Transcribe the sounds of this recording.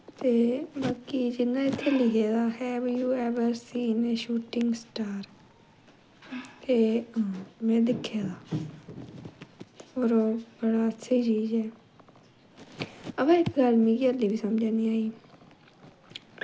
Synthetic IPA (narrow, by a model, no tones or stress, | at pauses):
t̪eːbaːkiːd͡ʒɪnːãːɪt̪ʰːeːlɪɦeːd̪aːhɛːʋjuːɛʋəɾsiːneːʃuːʈɪŋɡsʈaːɾ | t̪eː | mɛ̃ːd̪ɪkʰːjaːd̪aː | oːɾobəɽaːətːʃʰiːt͡ʃiːd͡ʒɦɛː | əʋãːɪkɡəlmĩːɡiəliːʋiːsəmd͡ʒãːniːaːiː